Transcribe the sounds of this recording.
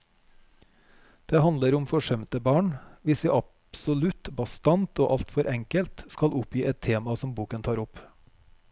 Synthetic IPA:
d̪̥eːhɑnəɾʊmfɔʃɛmt̪əbɑːɳʋɪsʋiːʔɑpsɔlʉt̪bɑst̪ɑnt̪oːʔɑlt̪fɔɾʔɛŋkəlt̪skɑlʔʊpjiːʔɛt̪ʰeːmɑsɔmbuːkənt̪ʰɑːɾʊp

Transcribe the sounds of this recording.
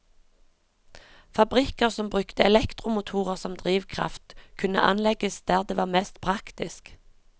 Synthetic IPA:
fɑbʁɪkəʁsɔmbʁʉkt̪əɛlɛkt̪ʁʊmʊt̪ʰuːʁəʁsɔmd̪ʁiːʋkʰʁɑ̰ft̪kʰʉnə̰ʔɑ̰nlɛɡəsd̪̥æːʁd̪eːʋɑːʁmɛst̪pʰʁɑkt̪ɪsk

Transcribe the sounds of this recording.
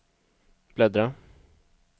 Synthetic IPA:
b̥lɛd̪ɾa

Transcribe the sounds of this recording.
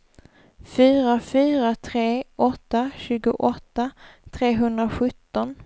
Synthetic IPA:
fyːɾafyːɾat̪ʰɾeːʔɔt̪ːaɕʉ̟ːɡʊʔɔt̪ːat̪ʰɾeːɦɵnd̪ɾaɧɵt̪ːɔn

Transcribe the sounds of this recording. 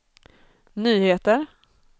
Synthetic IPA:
nyːheːt̪əɾ

